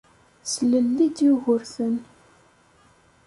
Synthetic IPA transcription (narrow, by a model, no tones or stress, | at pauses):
sləlːid̪juɣʊɾθən